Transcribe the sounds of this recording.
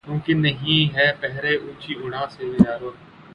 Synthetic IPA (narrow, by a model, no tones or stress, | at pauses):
kjũːkinɐɦĩɦɛpɛɦɾeʔũːt͡ʃiʊɽãsebid͡ʒaːɾoː